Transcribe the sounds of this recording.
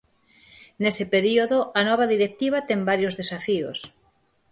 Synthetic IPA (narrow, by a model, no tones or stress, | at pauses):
nesɪpeɾioðoanɔβ̞aðiɾek̚t̪iβ̞at̪eŋbaɾjozðesafios